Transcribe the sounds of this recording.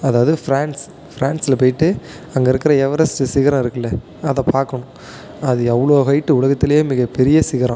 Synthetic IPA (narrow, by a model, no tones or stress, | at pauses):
ɐðaːʋɐðɯfɪɾaːns | fɪɾaːɳsɪlpoːjɪʈːɯ | ɐŋɡɐɪɾɯkːɪɾɐɛʋɐɾɐsɯsɪɣɐɾãɪɾɯkːɐlːɐ | ɐðɐpaːɾkɐɳʊ̃ | ɐðɯɐʋɐɭoːɣɐɪʈːɯʊɭɐɣɐt̪ːɪlɐjeːmɪɣɐpɛɾɪjɐsɪɣɐɾã